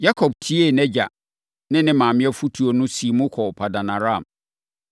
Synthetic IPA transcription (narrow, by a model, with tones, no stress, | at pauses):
ja˦kʰɔ˨b̚tʰi˦e˦˨nɛ˦d͡ʑa˨ | nɪ̃˦nɪ̃˦mãː˨mɪ̃˦ɛ˦fu˦tʰu˨o˨nʊ̃˦si˨mʊ̃˦kʰɔ˨pʰa˨da˨nã˨ɾã˦˨m